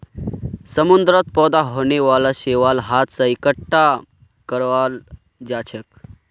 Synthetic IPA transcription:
səmund̪ɾət̪̚pɔːd̪aɦoːneʋalaɕeʋalɦat̪ʰsəikəʈːa | kəɾʋal | d͡ʒaːt͡ʃʰək

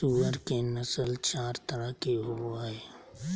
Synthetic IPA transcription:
uːəɾkenəsəlt͡ʃaːɾt̪əɾəkeɦʊaːɦɛː

